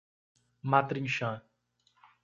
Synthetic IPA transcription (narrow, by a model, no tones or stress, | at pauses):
mat̪ɾĩŋʃã